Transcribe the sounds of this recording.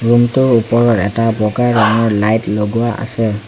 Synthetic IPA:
ɹumtʊɹupɔɹɔtɛtabɔɡajɹɔŋɔɹlajtloɡuaʔa̰sɛ

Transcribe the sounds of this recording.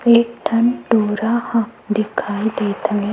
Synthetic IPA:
eːk̚ʈʰɐnɖoːɾahãd̪ɪkʰaːid̪eːt̪ʰɐ̃ŋe

